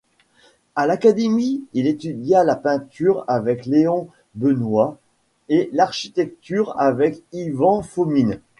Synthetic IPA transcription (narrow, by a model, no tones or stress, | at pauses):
alakad̪emiilet̪yd̪jalapɛ̃t̪yʁavɛkleɔ̃ | bənwa | elaʁʃi̥t̪ɛk̚t̪yʁa̰vɛkivɑ̃fomin